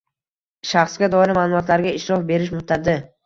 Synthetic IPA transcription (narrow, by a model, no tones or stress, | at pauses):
ʃaχsɡʲad̪ɒɪɾɪmaːlˠʊmɒt̪ʰlaɾɡʲaɪʃɾɒfbe̞ɾɪʃ̬mʊt̪ʰːaɾd̪ɪ